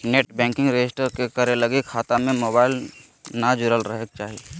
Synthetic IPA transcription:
neʈbɛ̃ːŋkɪ̃ŋɡɾed͡ʒɪsʈəɾkekəɾeləɡikʰaːt̪amẽmoːbaːɪl | nad͡ʒʊɾəlɾəɦek̚t͡ʃaːɦie

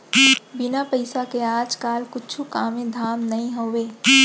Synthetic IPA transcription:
bɪnapəɪsakeaːd͡ʒkaːlkʊt͡ʃʰukaːmẽd̪ʱaːmnɐɦĩɦoːweː

